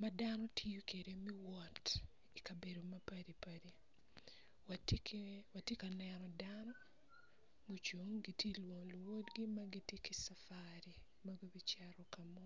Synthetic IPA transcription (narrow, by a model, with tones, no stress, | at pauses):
madanɔ˦tʰi˦jo˦ke˨ɾe˦mi˦wɔ˨t | i˨ka˨be˨do˨ma˦padi˨padi˨ | watkwa˨tje˦ka˨nɛɾɔ˨danɔ˦ | mo˨t͡ʃo˨ŋɡi˨tje˦lwo˨ŋo˨lu˨wo˦tɡi˦ma˦ɡi˦tje˦ki˨safaɾi | maɡo˦bi˦t͡ʃaɾɔkamɔ˦